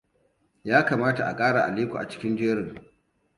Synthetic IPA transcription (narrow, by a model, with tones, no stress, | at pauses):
jaː˦kaː˨maː˦ta˨ʔa̰˨kʼaː˦ɽaː˨ʔa̰˨liː˦kʷṵ˨a̰˨t͡ʃɪ̥˦kʲɪ˦nd͡ʒeː˦ɽɪ˨ŋ